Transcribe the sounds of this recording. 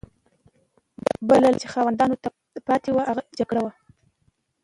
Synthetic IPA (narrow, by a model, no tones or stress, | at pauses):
balalt͡ʃexɑwand̪ɑnot̪a | pɑt̪ewaʔaɣad͡ʒaɡɽawa